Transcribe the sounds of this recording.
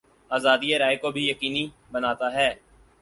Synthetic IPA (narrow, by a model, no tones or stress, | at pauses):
aːzaːd̪ieɾaːekobʱijəkiːni | bənaːt̪aɦɛː